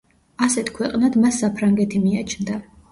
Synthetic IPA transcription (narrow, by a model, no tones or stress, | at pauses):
asɛt̪ʰkʰwɛqʼnad̪masːapʰɾaŋɡɛt̪ʰimiat͡ʃʰnd̪a